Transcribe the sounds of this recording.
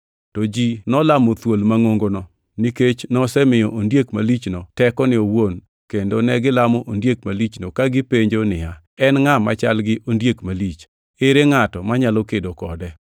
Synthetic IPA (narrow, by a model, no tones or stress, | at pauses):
tɔd͡ʒinɔlamot̪wolmaŋoŋɡonɔ | niket͡ʃnɔsɛmɪjɔʔondjekmalit͡ʃnotɛkɔnɪowon | kendonɛɡɪlamɔʔondjek̚malit͡ʃnokaɡɪpeɲd͡ʒonɪa | ɛnŋamat͡ʃa̰lɡɪʔondjekmalit͡ʃ | eɾeŋatɔmaɲalɔkedokɔ̰dɛ